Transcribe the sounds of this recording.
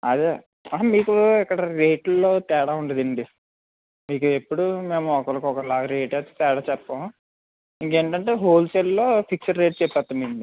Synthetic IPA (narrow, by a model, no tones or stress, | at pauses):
ɐ̰d̪e | ɐmiːkuikːɐɽɐɾeːʈlːo̞ːt̪ɛːɽaːuɳɖɐd̪iɳɖi | miːkuepːuɽume̞ːmuɔkɐlɐkɔkɐlaːɡɾeːʈeːt̪et̪ɛːɽaːt͡ʃɛpːɐm | iŋkeːɳʈɐɳʈe̞ːɦoːlsello̞ːpʰiksɐɾɾeːʈt͡ʃɛpːɛt̪ːund̪iɳɖi